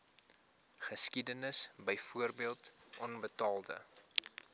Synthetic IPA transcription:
χəskidənəsbəjfuərbiəlˠtʔɔnbətɑːlˠdə̰

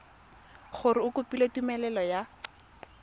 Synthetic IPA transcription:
χʊɾɪʊkʊpilatumɛlɛlɔja

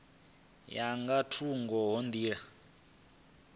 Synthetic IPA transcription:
jaŋɡatʰuŋɡɔɦond̪iːɺa

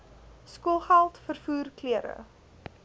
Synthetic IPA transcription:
skuəlˠχælˠtfərfuːrkliəɾə̰

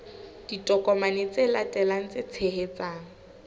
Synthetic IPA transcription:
d̥itʼɔkʼɔmanet͡selatʼɛlaŋ̩t͡set͡sʰehet͡saːŋ̩

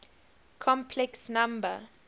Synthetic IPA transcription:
kʰɔ̃mpʰlɛksnãmbə

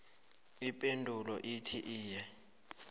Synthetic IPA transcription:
ipʼendʱulɔʔitʰiʔiːjɛ

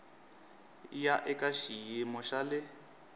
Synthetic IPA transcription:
jaʔɪkʼaʃijemɔʃalɪ

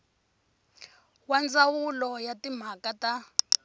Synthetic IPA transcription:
wand͡zawulɔjatim̤akata

